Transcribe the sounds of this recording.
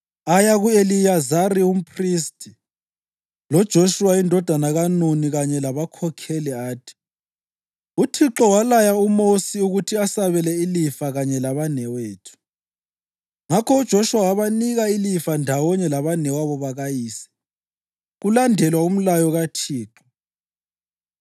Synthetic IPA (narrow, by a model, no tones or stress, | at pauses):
ajaɣuelijazarium̩pʰristʰʼi | lɔd̥ʒ̥ʱoʃuwaindʱɔd̥ʱanaɣanuniɣaɲɛlaβakʰɔkʰɛlɛaːtʰi̥ | utʰiǁɔwalajaumosiuɣutʰiasaβɛlɛilifaɣaɲɛlaβanɛweːtʰu̥ | ŋakʰɔud̥ʒ̥ʱoʃuwawaβaniɣailifandʱawɔɲɛlaβanɛwaβɔβaɣajiːsɛ̥ | ɣulandʱɛlwaum̩lajɔɣatʰiːǁɔ